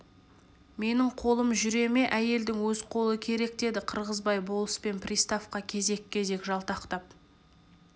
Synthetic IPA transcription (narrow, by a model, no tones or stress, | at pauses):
me̞nɪɴqʰo̞lˠəmʒʏɾe̞me̞ʔæje̞ld̪ɪŋwɵzqʰo̞lˠəkʲʰe̞ɾe̞k̚t̪e̞d̪ɪqʰəɾʁəzbɑjbo̞lˠəspe̞npʰrʲijst̪afqɑkʲʰe̞ze̞kʲʰːe̞ze̞kʒɑlˠt̪ɑqt̪ɑp̚